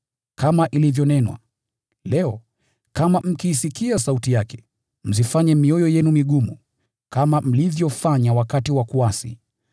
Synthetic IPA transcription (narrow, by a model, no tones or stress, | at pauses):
kamaʔilivjɔnɛnwa̰ | lɛɔ | kamam̩kiːsikiasautijakɛ̥ | m̩zifaɲɛmiɔjɔjɛnumiɠumṵ | kamam̩livjɔfaɲawakatiwakuasḭ